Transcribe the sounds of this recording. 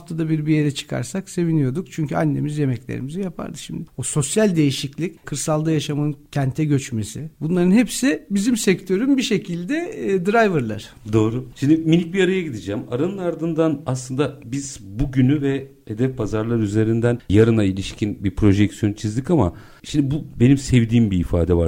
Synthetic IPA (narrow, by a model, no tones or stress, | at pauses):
aft̪ʰad̪abiɾbije̞ɾɛt͡ʃʰɯ̥kʰa̰ɾsakse̞vinijo̞d̪ukt͡ʃʰyɲcʰyanːe̞mizje̞mɛclʲḛɾḭmizɛjapʰa̰ɾd̪ɯʃimd̪ɪoso̞sjælʲd̪e̞jiʃiclʲickʰɯɾsalˠd̪ajaʃamancʰænt̪ʰɛɟø̞t͡ʃme̞sɪbunlˠaɾɯnhepsɪbizimsɛct̪ʰø̞ɾymbiʃe̞cʰilʲd̪ɛd̪ɾajvɯɾlˠa̰ɾ̥ | d̪o̞ːɾuʃimd̪iminlʲic̚biaɾajaɟid̪id͡ʒæmaɾanɯnaɾd̪ɯnd̪anaslˠɯnd̪abiz̥buɟynyvɛ | he̞d̪ɛfpʰazaɾlˠaɾyze̞ɾind̪ænjaɾɯnailʲiʃcʰinbiɾpʰɾo̞ʒɛcsijo̞nt͡ʃʰizd̪ikama̰ | ʃimd̪ibube̞nimsɛvd̪iːmbiːfa̰ːd̪ɛva